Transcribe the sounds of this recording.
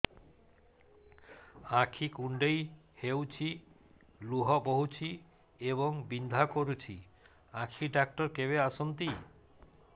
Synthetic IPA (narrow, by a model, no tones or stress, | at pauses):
akʰikuɳɖej | hewt͡ɕʰi | luɦɔboɦut͡ɕʰi | eβɔŋbind̪ʱakoɾut͡ɕʰi | akʰiɖak̚ʈɔɾkeβeasont̪i